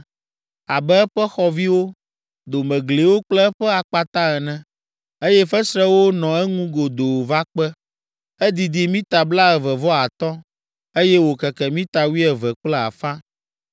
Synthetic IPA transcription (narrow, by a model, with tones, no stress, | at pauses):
a˨bɛ˦ɛ˦ɸɛ˦xɔ˨vi˦wo˦ | d̪o˨mɛ̃˨ɡle˨wo˦k͡plɛ˦ɛ˦ɸɛ˦a˨k͡pa˦t̪ã˦ɛ˨nɛ̃˨˦ | e˦jɛ˦fɛ˦sɾɛ˦wo˦nɔ̃˨ɛ˦ŋũ˦ɡo˨d̪o˨wva˦k͡pɛ˦ | ɛ˦d̪i˨d̪i˨mĩ˦t̪a˨bla˦ɛ˨vɛ˨vɔ˦a˨t̪ɔ˦ | e˦jɛ˦wo˨kɛ˨kɛ˨mĩ˦t̪a˨wi˦ɛ˨vɛ˨k͡plɛ˦a̰˨fã˦